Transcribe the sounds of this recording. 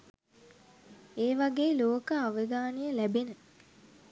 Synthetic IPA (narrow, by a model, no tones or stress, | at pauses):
eːʋaɡeːloːkəaʋəɡaːnijəlæbenə